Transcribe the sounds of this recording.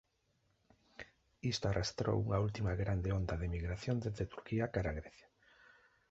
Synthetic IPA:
ist̪oarʔast̪ɾo̰wuŋault̪imaɣɾand̪eond̪aðemiɣɾaθjond̪eððet̪uɾkiakaɾaɣɾeθjḁ

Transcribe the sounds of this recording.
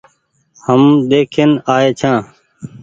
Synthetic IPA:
həmd̪eːkʰeːnaːeːt͡ʃʰãː

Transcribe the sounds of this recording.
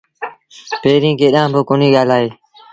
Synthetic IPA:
peːɾĩːkeːɗãːboːkoːnĩːɠaːlaːɦeː

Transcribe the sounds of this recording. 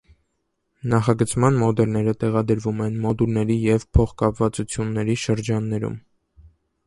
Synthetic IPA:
nɑχɑɡət͡smɑnmɔd̪ɛlnɛɾət̪ɛʁɑd̪əɾvumɛnmɔd̪ulnɛɾijɛvpʰɔχkɑpvɑt͡sut͡sʰjunːɛɾiʃəɾd͡ʒɑnːɛɾṵm

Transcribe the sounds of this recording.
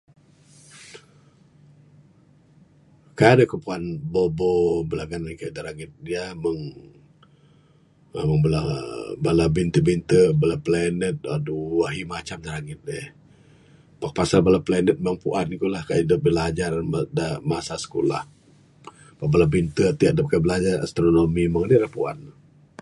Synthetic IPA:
kajadakəpuanbobobəlaɡananikajdaɾaŋɪt̪̚diaməŋ | məŋbəlabalabint̪əbint̪əbalaplɛnət̪̚aduwaɦimat͡ʃamdaɾaŋɪt̪̚deh | pak̚pasalbalaplanət̪̚məŋpuʔanikulahkajidəp̚bəlad͡ʒardamasasə̥kola̰h | pabalabint̪ət̪iaʔ̚dəp̚kabəlad͡ʒara̰st̪ɾonomiməŋdilahpua̰n

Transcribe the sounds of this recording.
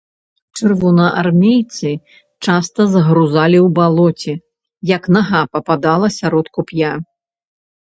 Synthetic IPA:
t͡ʂɨrvɔnɐʔa̰rmʲejt̪sɨ | t͡ʂast̪ɐzɐɣɾuzalʲiwbalˠɔt͡sʲɛ | jɐknaɣapɐpad̪alˠɐsʲaɾɔt̪kupʲja

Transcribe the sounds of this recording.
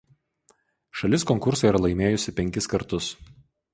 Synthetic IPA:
ʃɐlʲɪskɔŋkʊɾsɐiɾɐlˠɐɪmʲeːjʊsʲɪpʲɛŋʲkʲɪskɐɾt̪ʊs

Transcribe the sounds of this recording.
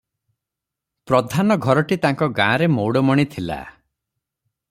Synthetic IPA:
pɾɔd̪ʱanɔɡʱɔɾɔʈit̪aŋkɔɡãːɾemowɽɔmɔɽ̃it̪ʰila̰

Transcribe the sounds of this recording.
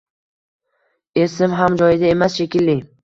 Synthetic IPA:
e̞sɪmɦamd͡ʒɒjɪd̪ae̞masʃe̞kʲɪlːɪ

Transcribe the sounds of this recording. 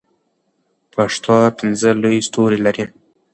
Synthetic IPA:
pʰaʂt̪ɑpɪnzəlojst̪oɾilaɾi

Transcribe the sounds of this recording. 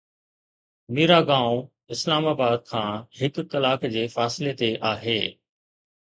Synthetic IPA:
miːɾaɡãːʊ̃ | ɪslaːmaːbaːd̪̚kʰãːhɪkːɐlaːkd͡ʑeːfaːsɪlet̪eʔaːɦeː

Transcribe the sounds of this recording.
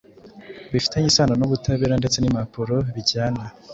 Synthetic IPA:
βifi̥teɲisaːnonoβutaβeɾande̞t͡se̞nimapuɾo̞βiɟaːna

